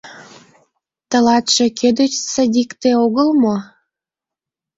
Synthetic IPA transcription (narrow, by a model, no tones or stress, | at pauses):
t̪ə̆lɑt̪ʃekʰød̪ə̆t͡ɕt͡səd̪ʲikt̪eoɣəlmo